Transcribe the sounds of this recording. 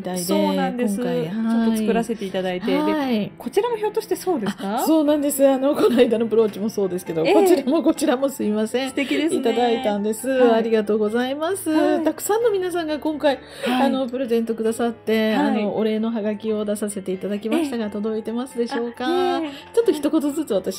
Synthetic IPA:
mit̪aid̪eãnd̪eõŋkaihaoːoiɨi̥kɯɾase̞t̪e̞it̪ad̪aith̪eaiko̞t͡ɕiɾanoço̞ːt̪ːoɕi̥t̪eso̞ːd̪easaso̞ːnãnd̪e̞sɨano̞ko̞naid̪ano̞pɯ̟ɾo̞ːt͡ɕimo̞so̞ːd̪e̞sɨ̥ke̞d̪o̞kkot͡ɕiɾamo̞ko̞t͡ɕiɾamo̞sɨimasẽ̞t̪ekʲid̪eit̪ad̪ait̪ãnd̪e̞sɨaɾʲiɡat̪o̞ːɡo̞zaimasɨt̪akɯ̟̥sãnːo̞mʲinasãŋɡakõ̞ŋkai | ano̞pɯ̟ɾe̞zẽ̞nt̪o̞kɯ̟d̪asat̪ːe̞ano̞oɾe̞ːno̞ɦaɡakʲio̞d̪asase̞t̪eit̪ad̪akʲimaɕi̥t̪aɡat̪o̞d̪o̞it̪e̞masɨd̪e̞ɕo̞ːkat͡ɕo̞t̪ːoçi̥t̪o̞ko̞t̪o̞zɨt͡sɨβat̪aɕi̥

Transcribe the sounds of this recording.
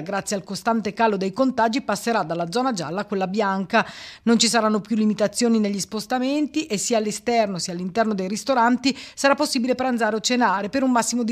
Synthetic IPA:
ɡɾat̪sːjealkost̪ant̪ekaːlod̪ejkont̪aːd͡ʒipasːeɾad̪alːad̪zɔːnad͡ʒa̰lːakwelːabjaŋkanont͡ʃisaɾanːopjulːimit̪at̪sːjoːnineʎːispost̪ament̪iʔesːiaːlːest̪ɛrnosialːint̪ɛrnod̪ejrist̪oɾant̪isaɾapːosːiːbilepɾand̪zaːɾeot͡ʃːenaːɾepeɾunmasːimod̪i

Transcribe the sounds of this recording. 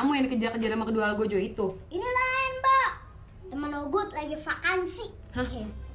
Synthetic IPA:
amujanikəd͡ʒarkəd͡ʒaɾamakəduaːɡod͡ʒoit̪uinilaɛnba | t̪əmənoɡʊt̪̚laɡifakansi | hake

